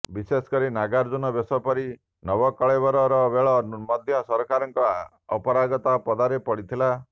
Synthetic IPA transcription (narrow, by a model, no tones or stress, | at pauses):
bisesɔ̥kɔɾinaɡaɾd͡ʒunɔbesɔpɔɾi | nɔbɔkɔɭebɔɾɔɾɔbeɭɔmɔd̪ʱjɔsɔɾkaɾɔŋkɔː | pɔɾaɡɔt̪apɔd̪aɾepɔɽit̪ʰila